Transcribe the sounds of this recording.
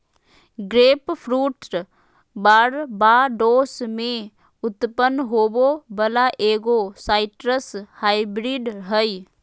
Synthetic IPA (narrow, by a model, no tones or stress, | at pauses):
ɡɾeːppʰɾuːʈɾ | baɽbaːɖoːsmẽ | ʊt̪pənːɦoːbobəlaʔeːɡosaːɪʈɾəshaːɪbɾiːɖɦəi